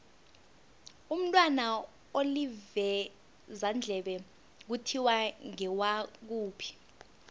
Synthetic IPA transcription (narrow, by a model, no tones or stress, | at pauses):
um̩tʼwana | olivɛ | zand͡ɮʱɛɓɛ | k̬utʰiwaŋɛwak̬uːpʰi̥